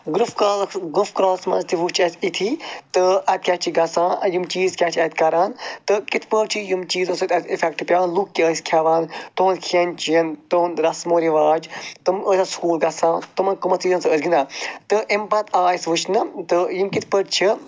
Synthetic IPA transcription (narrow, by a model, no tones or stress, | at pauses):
ɡɾufkaɡufkɾaːsmɐ̰nzt̪iʋut͡ʃʰɐt̪it̪ʰit̪ɨɐt̪̚kʲat͡ʃʰiɡɐsãːɐjimt͡ʃiːzkʲat͡ʃʰɐt̪ʲkɐɾaːnt̪ɨkit̪ʰpəʈt͡ʃʰijimt͡ʃiːzosɨt̪ʲɐt̪ʰifekʈpʲjaːnlukːʲəːskʰaʋaːnt̪oːnkʰiɐnt͡ʃijɐnt̪oːnɾɐsmoːɾiʋaːd͡ʒt̪ɨməsaskuːlɡɐsãːt̪ɨmɐnkumɐt͡siːzɐnsəsɡind̪at̪ɨʔempɐt̪ʰaːisʋut͡ʃnɨt̪ɨjimkit̪ʰpəʈt͡ʃʰi